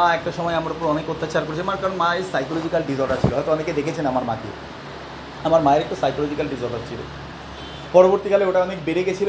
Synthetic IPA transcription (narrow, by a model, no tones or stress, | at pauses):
aɛk̚ʈaʃɔmɔeamaɾopoɾɔnekot̪ːat͡ɕaɾkoɾet͡ɕʰiamaɾkaɾonmaesajkolod͡ʑikalɖizoɾʈaɾt͡ɕʰiloɦɔjt̪oɔneked̪ekʰet͡ɕʰenamaɾmat̪io̰ | amaɾmaeɾek̚ʈusajkolod͡ʑikalɖizɔɾʈaɾt͡ɕʰilo̰ | pɔɾoboɾt̪ikaleoʈaɔnekbeɾeɡet͡ɕʰil